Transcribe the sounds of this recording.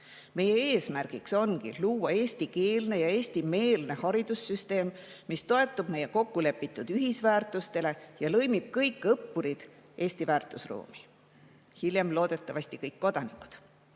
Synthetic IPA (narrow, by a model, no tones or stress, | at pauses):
me̞je̞e̞ːsmærɡ̥ikso̞nkḭluːwɑe̞ːsʲt̪ike̞ːlne̞jɑe̞ːsʲt̪ime̞ːlne̞hɑɾid̪̥usːyst̪e̞ːmmist̪o̞e̞t̪ːˑub̥me̞je̞ko̞kːule̞pːˑit̪ːˑud̪̥yɦisvæːrt̪ˑust̪e̞le̞jɑlɤjmib̥kɤjkːˑɤpːuɾid̪̥ʔe̞ːsʲt̪ivæːrt̪ˑusrṵːmi | hiljemlo̞ːd̪̥e̞t̪ːˑɑvɑsʲt̪ikɤjkːo̞d̪ɑnikːˑu̥d̪̥